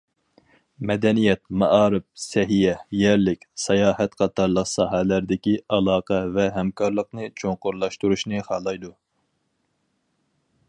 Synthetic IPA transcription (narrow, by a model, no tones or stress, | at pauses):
mɛd̪ɛnijɛt̪mɑʔɑːɾɨp̚sɛɦijɛjɛɾlɪkʲsɑjɑːhɛt̪qʰɑt̪ɑɾlˠəqsɑːɦɛlæɾd̪ɪkʲiɑlˠɑːqɛvɛɦɛmkɑɾlˠəqnɨt͡ʃʰoŋqʊɾlˠɑʃt̪uɾuʃnɨχɑːlˠɑjd̪u